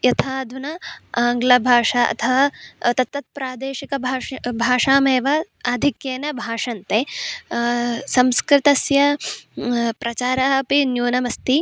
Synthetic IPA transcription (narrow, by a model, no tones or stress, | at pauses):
jɐt̪ʰaːd̪ʱunɐaːŋɡlɐbʱaːʂɐɐ̰t̪ʰɐʋɐt̪ɐt̪ʋɐt̪̚pɾaːd̪eːʃikɐabʱaːʂaːmeːʋɐ | ad̪ʱikjeːnɐbʱaːʂɐnt̪e | sɐmskɾɪt̪ɐsjɐ | pɾɐt͡ʃaːɾaɦɐpinjoːnɐmɐst̪i